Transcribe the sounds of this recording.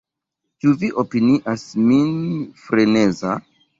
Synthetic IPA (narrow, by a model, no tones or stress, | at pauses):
tuviʔopiniʔasminfɾeneza